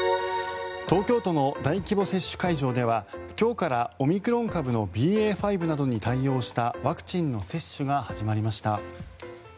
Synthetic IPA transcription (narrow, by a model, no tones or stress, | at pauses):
t̪o̞ːkʲo̞ːt̪o̞no̞d̪aikʲibo̞se̞ɕːɨ̥kaiʑo̞ːd̪e̞β̞akʲo̞ːkaɾao̞mʲikɯ̟ɾõ̞ŋkabɯ̟no̞bʲiːe̞ːɸaibɯ̟nad̪o̞ɲ̟it̪aijo̞ːɕi̥t̪aβakɯ̥t͡ɕĩnːo̞se̞ɕːɨɡahaʑimaɾʲimaɕi̥t̪a